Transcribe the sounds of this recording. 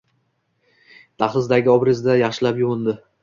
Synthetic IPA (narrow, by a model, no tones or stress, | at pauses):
t̪ʰɑχlɪzd̪aɡʲɪɒbɾɪzd̪ajɑχʃɪlapjʊʁʊnd̪ɪ